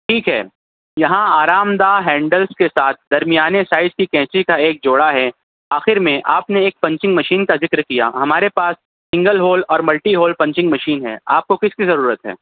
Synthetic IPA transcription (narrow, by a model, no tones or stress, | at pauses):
ʈʰiːkɦɛ̰ː | jɐɦãaːɾaːmd̪aːɦɛ̃ːɳɖəlskesaːt̪̚ʰd̪ɐɾmijaːnesaːɪzkikɛ̃ːt͡ʃikaeːk̚d͡ʒoːɽaɦɛ | aːxɪɾmẽʔaːpneeːk̚pɐ̃ɲt͡ʃɪ̃ŋɡmɐʃiːnkazɪkɾkija̰ɦɐmaːɾepaːs | sɪ̃ŋɡəlɦoːlɔːɾmɐlʈiɦoːlpɐ̃ɲt͡ʃɪ̃ŋɡmɐʃiːnɦɛ̰ːaːp̚kokɪskizɐɾuːɾət̪ɦɛ̰ː